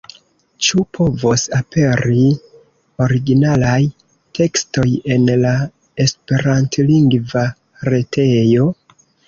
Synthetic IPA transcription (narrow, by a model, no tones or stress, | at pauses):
t͡ʃupʰo̞vosapʰe̞ɾi | o̞ɾiɡinalaj | tʰe̞ksto̞je̞nla | e̞spe̞ɾantliŋɡva | ɾe̞tʰe̞jo̞